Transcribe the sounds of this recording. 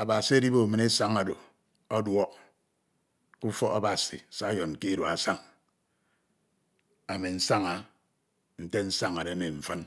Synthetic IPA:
a˨ba˨si˨a˦di˦bo˨mɨ˨ne˦sa˦ŋa˨do˨ | ɔ˦dwɔ˦k̚ | ku˦fɔ˦ka̰˦ba˨sḭ˨sa˦jɔ˨n˨ki˦do˨a˨sa˦ŋ | a˨me˨n̩˦sa˦ŋa˨ | n̩˦te˦n̩˦sa˦ŋa˨ɾe˨˦me˨ɱ̩˨fə˦n

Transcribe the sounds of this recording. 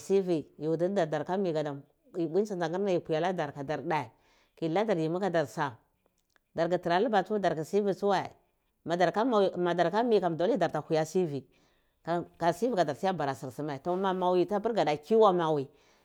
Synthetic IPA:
si˦vi˨ju˨di˦da˨da˨ɾka˦mi˨ɡa˨da˨m | i˨bi˦sa˦nda˨ŋɡi˦ɾna˦ji˨pu˨ja˨la˦da˨ɾka˨da˨ɾda˨i˨ | ki˨la˦da˨ɾji˨mu˦ka˨da˨ɾsa˨ | da˨ɾɡa˨ti˨ɾa˨˦lu˦ba˨tu˦da˨ɾɡi˨si˦vi˨su˦wa˦˨ḭ˨ | ma˨da˨ɾka˦a˨ma˨da˨ɾka˦mi˨ka˨mdo˦li˦da˨ɾta˨hu˨ja˦si˦vi˨ | ka˨ka˨si˦vi˦ka˨da˨ɾsi˦ja˦ba˨ɾa˨si˨ɾsi˦ma˨i˨to˨ma˨ma˨wi˨ta˦pi˦ɾɡa˨da˨ki˦wa˦ma˨wi˨

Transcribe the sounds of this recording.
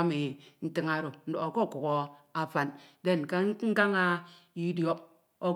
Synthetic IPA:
mi˨n̩˨ti˦ŋa˨ɾo˨n̩˦do˨o˨ko˦˨ku˨ko˨a˨fa˨nde˦˨n˨ka˦ŋ̩˦ɡa˦ŋa˦ | i˦di˦o˦ | o˨

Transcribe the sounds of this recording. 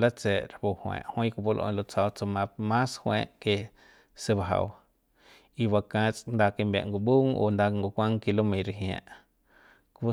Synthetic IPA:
la˦t͡se˨ʔɾpu˧hwḛ̃ː˧˨ʔhwã˦kʷu˧po˦lʔõ̰˧˨˧lo˧t͡sa˧wt͡so˧mã˧mã˦shwḛ̃ː˧˦ʔke˧ | se˧ba˧˨ɦa̰˧˨w | i˧ba˧kã˧t͡sʼnd̪a˧ke˧mbja̰˨ʔŋɡo˨bu˦ŋo̰˧˨nd̪a˧ŋɡo˧kʷã˦ŋki˧lo˦mẽ˨ɾe˧ɦj̃ã̰˧˨ʔ | k

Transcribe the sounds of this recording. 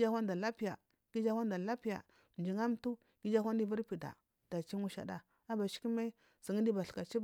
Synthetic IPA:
d͡ʒa˦xʷa˦nda˨la˦pi˦ja̰˨ | ɡ̥i˦d͡ʒa˦wa˦n˦da˨la˦pi˦ja̰˨ | d͡ʒi˨ŋa˦m˦tu˦ | ɡi˦d͡ʒa˦xʷa˦ndi˦vu˦ɾpi˨da̰˨ | d̥a˨t͡ʃi˦ŋu˦ʃa̰˨da˨ | a˦ba˨ʃi̥˦ki˦me˦ | si˨ŋi˦di˦ba˨ɬka˨t͡ʃi˦b

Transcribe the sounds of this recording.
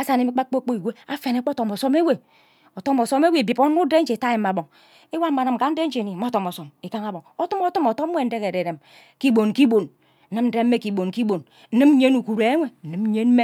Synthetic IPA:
a˦sa˨ne˨˦mi˦k͡pa˦k͡po˦k͡po˦i˨we˦a˦fe˨ne˦k͡po˦to˨mo˨so˦me˦we˨ | o˨to˦mo˨so˦me˦we˦˨bi˨po˦n˦u˦de˦n̩˦d͡ʒe˨ta˦je˨m˨a˨bo˨ŋ | e˦wa˦m̩˦a˨nɨ˨m̩˨ka˨˦n̩˦de˦n̩˦d͡ʒe˨ni˨mo˦to˨mo˨so˨me˨ka˦ŋa˦bo˨ŋo˦tu˦mo˦tu˦mo˨to˦e˦˨n̩˦de˦ke˨ɾe˨ɾe˨m | ki˦bo˨n˨ki˦bo˨n | n̩˨˦nɨ˦mn̩˦de˦m̩ː˦e˦ki˨bo˨nki˦bo˨n̩˦ | ɨ˦m̩˦ɲe˦nu˨ku˨ɾe˨e˦ŋʷe˨n̩˨ɨ˨m̩˦ɲe˦n̩˦me˦

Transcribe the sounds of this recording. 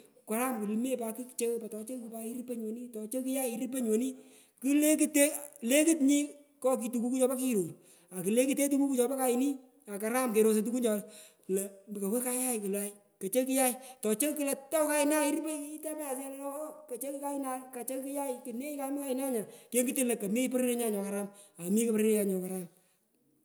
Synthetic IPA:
ka˨ɾa˦mku˨lme˦pa˧ki˦kt͡ʃe˦pa˨tɔ˨t͡ʃe˦kku˨pa˧i˦ɾi˦pe˦ɲwo˨ni˦tɔ˨t͡ʃe˦ki˦ja˦˨i˦ɾi˦p̬e˦ɲwo˨ni˦ | ki˦le˦ki˦te˦le˦kɨ˦tɲi˦ | kɔ˦k̬i˧tu˨ku˦ku˦t͡ʃɔ˧pa˦ki˦˨ɾo˨ɾ | a˨kɨ˨le˦ki˦te˦t̬u˦ku˦ku˦t͡ʃɔ˧pa˦ka˦ɪ˨ni˦ | a˨ka˨ɾa˦mke˨ɾo˨s̬e˨t̬u˦ku˦ɲt͡ʃɔ˧ | klɛ˨ka˨we˦ka˦ja˦ɪ˨kɪ˨la˦j | kɐ˨t͡ʃe˦ki˦ja˦i˨tɔ˨t͡ʃe˦kɨ˦le˨tɔ˦wka˦ɪ˨na˦i˦ɾi˦pe˦i˦ta˦pa˦a˨slɔ˦ka˨t͡ʃe˦ki˦ka˦ɪ˦na˦ka˨t͡ʃe˦ki˦ja˦ɪki˨ne˦i˦ka˦ɪ˦ma˦ka˦ɪ˨na˦ɲa˨ke˦ŋɡɨ˦tɪ˦lɐ˨kɐ˨me˦pɛ˦ɾe˦ɾe˦ɲa˦˨ɲɔ˨ka˨ɾa˦ma˨mi˦kɨ˦pɾe˦ɾe˦ja˨ɲɔ˨ka˨ɾa˦m

